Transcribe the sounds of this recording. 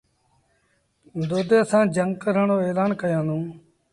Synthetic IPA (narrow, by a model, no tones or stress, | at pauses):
d̪oːd̪eːəsãːd͡ʒəŋɡkəɾəɳoːeːlaːnkəjãːd̪ũː